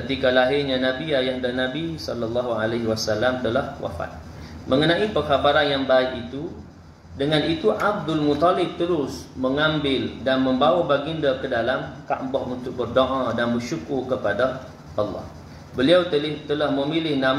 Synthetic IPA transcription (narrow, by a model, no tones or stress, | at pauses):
kət̪ikalaɦɪrɲanãbiajaʔdanãbisɔlɑlːɑɦualaɦiwasalːamt̪əlahwa̰fa̰t̪̚ | mə̃ŋənãipəkabaɾanjaŋbaɪkit̪u | dəŋãnit̪uʔab̚d̪ʊlmut̪ˤalɪb̚t̪əɾʊsməŋãmbɪldanməmbawabaɡindakədalamka̰ʔmbɔhunt̪ʊk̚bərdoʔadanbərʃukʊrkəpada | ʔɑlːɑ̰h | bəliawt̪əlt̪əlahməmilɪhnam